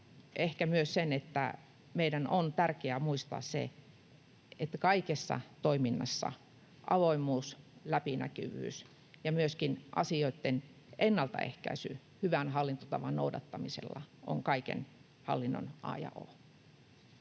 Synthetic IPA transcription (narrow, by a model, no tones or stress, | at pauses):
ʔehkæmyøssenet̪ːæ̰ | meidænont̪ærkeæmuist̪ɑ̰ːssḛ | et̪ːkɑikesːɑ̰t̪oiminːɑsːɑ̰ | ʔɑʋoimːˑuːslæpinæ̰ky̰ʋy̰ːs | jɑmyøskinʔɑ̰sioit̪ːen | ʔenːɑlt̪ɑ̰ḛhkæ̰isy̰ | hyʋænhɑlːint̪ot̪ɑʋɑnno̰udɑt̪ːɑmisḛlːɑ̰ʔo̰ŋkɑikḛn | hɑ̰lːinːo̰nʔɑ̰jɑ̰ʔo̰